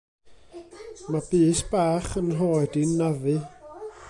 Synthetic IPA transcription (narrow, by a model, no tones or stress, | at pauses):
mab̥ɨːsb̥aːχənɦoːdinːavɨ